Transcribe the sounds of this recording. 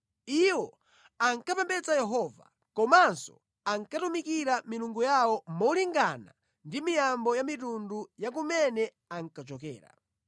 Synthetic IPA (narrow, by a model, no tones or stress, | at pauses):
iwɔ | aŋkapɛmbɛt͡sajɛɦɔva̰ | kɔmansɔ̰ | aŋkatumikiɾamiluŋɡujawɔmɔliŋɡana̰ | ndimijambɔjamitundujak̬umɛnɛ | aŋ̩kat͡ʃɔkɛ̰ːɾa̰